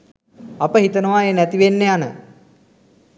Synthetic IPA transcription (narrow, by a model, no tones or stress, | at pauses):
apəɦit̪ənəʋaːeːnæt̪iʋenːeanə̰